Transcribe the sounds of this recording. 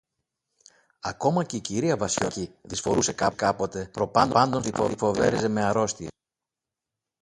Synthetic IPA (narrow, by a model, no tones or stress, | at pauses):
ɐko̞mɐce̞iciɾiɐvɐsçociðisfo̞ɾuse̞kɐkɐpo̞t̪e̞pɾo̞pɐnd̪ɐnd̪onθifo̞̰ifo̞ve̞̰ɾeze̞me̞ɐɾo̞st̪i